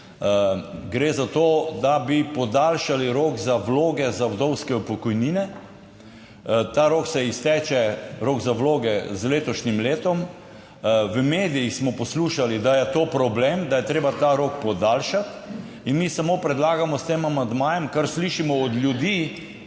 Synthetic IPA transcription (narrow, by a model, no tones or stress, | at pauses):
ɡɾeːzat̪oːd̪abipɔd̪aːlʃaliɾoːkzawloːɡɛzawd̪ɔwskɛɔpɔkɔjninɛ | t̪aɾoːksɛist̪ɛːt͡ʃɛɾoːɡzawloːɡɛzleːt̪ɔʃnimleːt̪ɔm | ʋəmeːd̪ijixsmɔpɔsluːʃalid̪ajɛt̪oːpɾɔbleːmd̪ajɛt̪ɾeːbat̪aɾoːkpɔd̪aːlʃat̪ | inmiːsamoːpɾɛd̪laːɡamɔst̪eːmamand̪maːjɛmkaɾsliːʃimɔːd̪lʲjud̪iː